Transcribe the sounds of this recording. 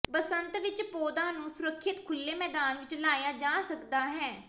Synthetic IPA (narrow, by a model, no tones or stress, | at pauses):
pəsənt̪ʋɪt͡ʃpoːd̪aːnũːsʊɾəkʰːɪt̪kʰʊlːeːmɛːd̪aːnʋɪt͡ʃlaːjaːd͡ʒaːsəkd̪aːɦɛː